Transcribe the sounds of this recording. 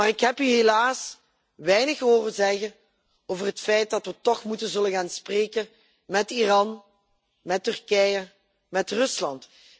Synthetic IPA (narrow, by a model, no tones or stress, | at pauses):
maːrɪkɦɛpyɦelaːs | ʋɛjnəxəɦoːrənzɛɣən | oːvərɦətfɛjt̚dɑtʋətɔxmutənzɵləɣaːnspreːkən | mɛtirɑn | mɛtːʏrkɛjə | mɛtrɵslɑnt